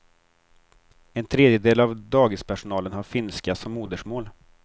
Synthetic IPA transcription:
ɛnt̪ʰɾeːd̪jəd̪eːlavd̪ɑːɡɪspʰæʂʊnɑːlənhaɾfɪnskasɔmːuːd̪əʂmoːl

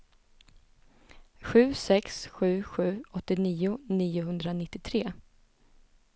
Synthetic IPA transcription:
ɧʉ̟ːsɛksɧʉ̟ːɧʉ̟ːɔt̪ːɪniːʊniːʊɦɵnd̪ɾanɪt̪ːɪt̪ʰɾeː

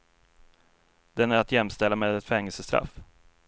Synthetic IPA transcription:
d̪ɛnæɾat̪jɛmst̪ɛlːameːd̪ɛt̪fɛŋːɛlsəst̪ɾa̰f

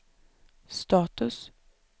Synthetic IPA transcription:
st̪ɑːt̪ɵs

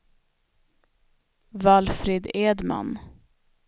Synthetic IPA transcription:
valfɾɪd̪eːd̪ma̰n

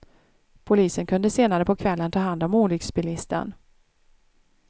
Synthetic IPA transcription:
pʰʊliːsənkʰɵnd̪əseːnaɾəpʰɔkʰvɛlːənt̪ʰɑːɦand̪ɔmuːlʏksbɪlɪst̪ə̰n

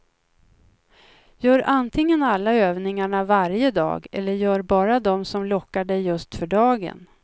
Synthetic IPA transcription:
jœːɾant̪ʰɪŋːənalːaøːvnɪŋaɳavaɾjəd̪ɑ̰ːɡɛ̰lːəɾjœːɾbɑːɾad̪ɔmsɔmlɔkːaɖɛjːɵst̪fœɖɑːɡə̰n

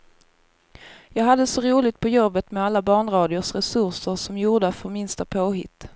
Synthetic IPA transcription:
jɑːɡɦad̪ːəsɔɾuːlɪɡt̪̚pʰɔjɔbːət̪mɛalːabɑːɳɾɑːd̪ɪʊʂɾɛsɵɾʂəɾʂɔmjuːɖ̪əfœɾmɪnst̪apʰoːɦɪt̪ː

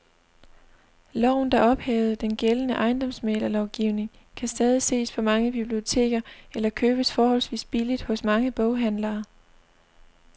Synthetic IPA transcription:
lɒʊ̰n̩d̥ɑ̈ʔɒ̽b̥hɛːʊð̩ˠd̥enɡ̥elənəʔɑ̈ɪnd̥ɒ̽msmḛːlɐlɒʊɡ̥iʊne̝ŋ | kʰæsd̥ɛːð̞ˠise̝̰ːspʰɒ̽mɑ̈ŋəb̥ib̥lio̝t͡sʰe̝̰ːɡ̥ɐelɐkʰøːb̥əsfɒːhɒ̽lsʋḭːsb̥ilid̥hɔ̽smɑ̈ŋəb̥ɔʊɦænlɐː

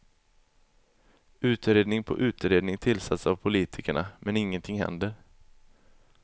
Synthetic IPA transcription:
ʉ̟ːt̪ɾeːd̪nɪŋpʰɔ̰ʔʉ̟ːt̪ɾeːd̪nɪŋt̪ʰɪlːsat̪savpʰʊliːt̪ʰɪkəɳamʔɛnɪŋːənt̪ʰɪŋhɛ̰nd̪əɾ

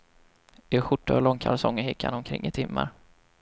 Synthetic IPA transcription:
ɪɧʊʈːaɔlɔŋːkʰalsɔŋːəhɪkha̰nɔmkʰɾɪ̰ŋːɪt̪ʰɪmːaɾ

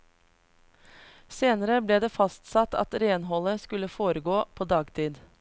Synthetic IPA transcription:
seːnəɾəbleːd̪eːfɑst̪sɑt̪ɑ̰t̪ɾeːnɦɔləskʉləfoːɾəɡoːpʰoːd̪ɑːɡt̪ʰiːd̪

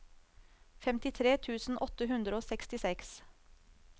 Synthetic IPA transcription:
fɛmt̪ɪt̪ʰɾeːt̪ʰʉːsn̩ʔɔt̪əɦʉnd̪ɾəoːsɛkst̪ɪsɛks

